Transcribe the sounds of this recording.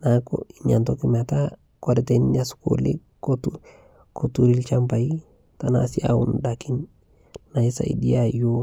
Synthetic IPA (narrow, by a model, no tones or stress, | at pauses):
nako̰iɲantokimata | koɾɛtenasu̥ko̰lḭ | kotu | kotuɾilt͡ʃampai | tana̰sia̰ṵndakin | naisa̰ḭdiajo